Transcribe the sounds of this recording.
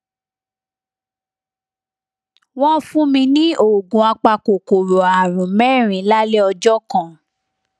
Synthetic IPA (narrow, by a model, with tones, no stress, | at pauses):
w̃ɔ̃˦fũ˦mĩ˧nĩ˦o˦˨ɡũ˨a˧k͡pa˧ko˨ko˨ɾo˨a˨ɾ̃ũ˨mɛ˦˨ɾ̃ĩ˨˦la˦le˦ɔ˧d͡ʒɔ˦kã˨